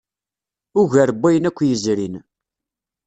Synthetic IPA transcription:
ʊʝəɾəbːæjənækʷːjəzɾin

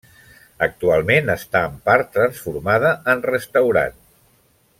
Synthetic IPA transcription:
ək̚t̪ualˠmenəst̪aəmpaɾt̪ːɾənsfuɾmaðəənrəst̪əwɾa̰n

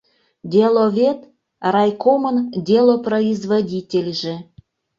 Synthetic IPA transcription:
d̪ʲelˠovʲet̪ | rɑjkoməndʲelˠoproizvodʲitʲelʲʒĕ

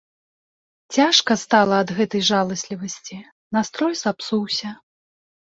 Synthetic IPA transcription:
t͡sʲaʂkɐst̪alˠɐːd̪ɣɛt̪ɐjʐalˠɐsʲlʲivɐsʲt͡sʲi | nast̪ɾɔjzapsuwsʲɐ

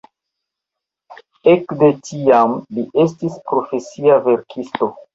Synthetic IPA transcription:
e̞kde̞tiamliʔe̞s̬tispɾo̞fe̞siave̞ɾkʰisto̞

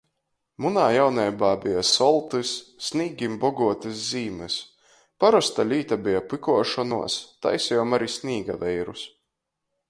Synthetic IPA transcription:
munaːjawnʲɛjbaːbijasɔlˠt̪ɨsːniːɡʲimbɔɡuɔt̪ɨs̬ziːmɨs | paɾɔst̪alʲiːt̪abijapɨkuɔʃɔnuɔst̪a̰jsjɔmaɾisʲnʲiːɡa̰vɛjɾus

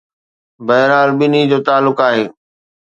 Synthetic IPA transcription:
bɐɦɾɦaːlbɪnid͡ʑoːt̪aːlːʊkaːɦeː

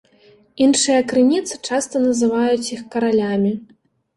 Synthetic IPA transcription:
inʂɨjɐkɾɨnʲit̪sɨ̥t͡ʂast̪ɐnɐzɨvajut͡sʲixkɐɾalʲamʲi

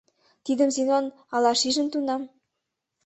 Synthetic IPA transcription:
t̪id̪ə̆msinon | ɑlɑʃiʒɘ̆nt̪unɑm

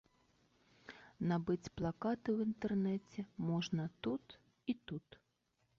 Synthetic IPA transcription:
nabɨt͡sʲplˠakat̪ɨwint̪ɛrnɛt͡sʲɛmɔʐnɐt̪ut̪ | it̪ut̪

